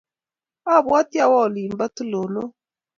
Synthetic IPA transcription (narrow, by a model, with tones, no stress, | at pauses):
a˦˨βa˦ti˦a˦˨wɔ˦˨li˨m˦ba˦tu˦lo˨no˦